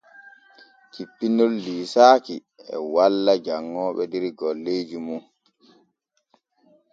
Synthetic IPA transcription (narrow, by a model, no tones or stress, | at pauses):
kipːinɔlːiːsaːki | ɛ̰walːad͡ʒaŋːɔːɓɛdiɾiɡɔlːeːd͡ʒumun